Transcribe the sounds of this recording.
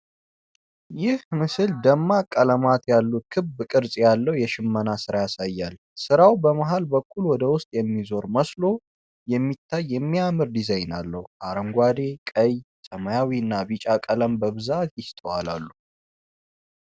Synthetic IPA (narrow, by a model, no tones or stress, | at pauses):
jɪhmɨsɨld̪əmːakʼələmat̪jalːut̪̚kʰɨbkʼɨɾsʼjalːəwjɛʃɪmːənasɨɾajasajːal | sɨɾawbəmaɦalbəkʷʼʰːulwɔd̪əwʊst̪ʼjɛmːizo̞ɾməslo̞ | jɛmːit̪ʰːajːɛmːiamɨɾd̪izajnalːəhuʔaɾəŋɡʷad̪e̞kʼəjsʼəməjawiɨnːabit͡ʃʼakʼələmbəβɨzat̪jɪst̪ʼəwala̰lːu